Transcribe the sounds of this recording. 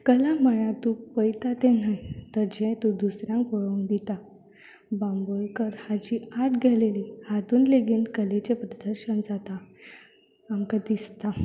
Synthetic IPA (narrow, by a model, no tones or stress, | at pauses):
kəlaməɭat̪upəjt̪at̪enajt̪əɾd͡ʑʱẽt̪ũd̪usɾjãŋkʋəɭond̪it̪a | bãmbojkəɾhad͡ʑiaʈɡʱelelihad̪uːnleɡinkəlet͡ɕepɾəd̪əɾɕənd͡zat̪a | amkad̪ist̪a